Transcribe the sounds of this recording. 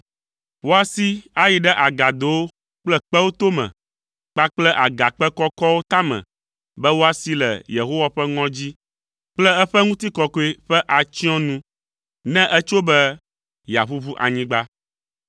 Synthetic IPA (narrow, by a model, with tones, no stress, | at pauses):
wo˦a˨si˦a˦ji˨ɖɛ˦ʔa˨ɡa˨d̪o˨wo˦ | k͡plɛ˦k͡pɛ˦wo˦t̪o˦mɛ̰̃˨ | k͡pa˦k͡plɛ˦ʔa˨ɡa˨k͡pɛ˦kɔ˦kɔ˦wo˦t̪a˦mɛ̰̃˨ | bɛ˦wo˦a˨si˦lɛ̰˨je˨ɦo˦wa˦ɸɛ˦ŋɔ̃˦d͡ʑi˦ | k͡plɛ˦ɛ˦ɸɛ˦ŋũ˦t̪i˦kɔ˨ko˦e˦ɸɛ˦ʔa˨t͡ɕĩ˦ɔ̃˦nũ˦ | nɛ̃˦ʔɛ˦t͡ʃo˦bɛ˦ | ja̰˨ɸu˦βu˦ʔa̰˨ɲĩ˦ɡ͡ba˦